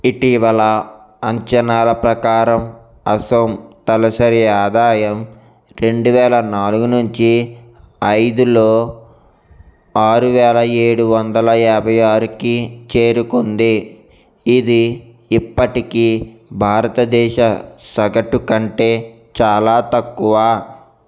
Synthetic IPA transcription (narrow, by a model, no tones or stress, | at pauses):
iʈiʋɐlɐ | ɐɲt͡ʃɐnaːlɐpɾɐkaːɾɐm | ɐsɐmt̪ɐlɐsɐɾijaːd̪aːjɐm | ɾe̞ɳɖuʋɛːlɐnaːluɡunuɲt͡ʃi | ɐjd̪uloː | aːɾuʋɛːlɐeːɽuʋɐnd̪ɐlɐɛːbʱɐjaːɾukit͡ʃe̞ːɾukond̪iː | d̪iː | pːɐʈikibʱaːɾɐt̪ɐd̪ɛːʃɐsɐɡɐʈukɐɳʈe̞ː | t͡ʃaːlaːt̪ɐkːuʋaː